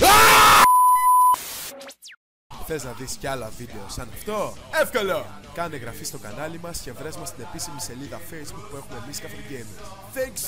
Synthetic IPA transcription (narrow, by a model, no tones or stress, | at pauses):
xθe̞znɐðisceɐlɐvid̪e̞osɐnɐft̪o̞efkolokɐneɣɾɐfist̪o̞kɐnɐlimɐsce̞vɾezmɐst̪ine̞pisimise̞liðɐfejzbuk̚pue̞xume̞miskɐfɾoɟems | θɛŋks